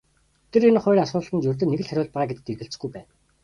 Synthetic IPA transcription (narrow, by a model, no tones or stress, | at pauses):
t̪ʰĕɾenχʊjrasʊːt̪ɮχə̆nt͡ɕɵrʲt̪̬ɘ̆nːeɣɘ̆ɮχæɾʲʊːɮpaʁːɡet̪ɘ̆k̪erɣɘ̆ɬt͡s̆ɡujpæːn